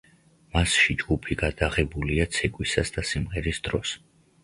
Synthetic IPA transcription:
masʃid͡ʒɡupʰiɡad̪̥aʁɛbuliat̪sʰɛkʼwisasd̪̥asimʁɛɾisd̪̥ɾɔs

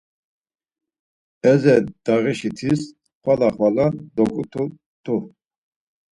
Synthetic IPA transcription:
ɛzɛd̪̥aʁiʃit̪ʰis | χwalaχwalad̪ɔkʼut̪ʰu | t̪ʰu

